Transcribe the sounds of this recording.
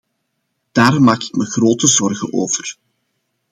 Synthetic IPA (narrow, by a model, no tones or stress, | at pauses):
d̥aːrmaːkɪ̥kməɣroːtəzɔrɣə̰noːvər